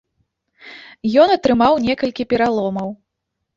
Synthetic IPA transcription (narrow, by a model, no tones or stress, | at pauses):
jɔnɐt̪ɾɨmawnʲɛkɐlʲkʲipʲɛɾalˠɔmɐw